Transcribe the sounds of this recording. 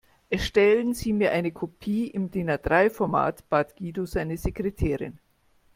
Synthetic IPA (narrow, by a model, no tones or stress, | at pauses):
ʔɛɐʃtɛlənziːmiːɐʔaɪnəkʰopʰiːʔɪmdeːnɐdʁaɪfɔɐma̰ːtb̥aːtɡ̥iːdozaɪnəzekʁ̥etʰɛːʁɪ̰n